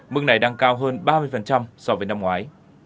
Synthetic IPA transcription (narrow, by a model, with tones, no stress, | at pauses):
mɨ˧əŋna˨˩jɗaː˧ŋkaː˧wɦəː˧nɓaː˧mɨ˧əjfə˨˩nt͡ɕa˧msɔ˧vəː˨˦jna˧mŋwaː˨˦j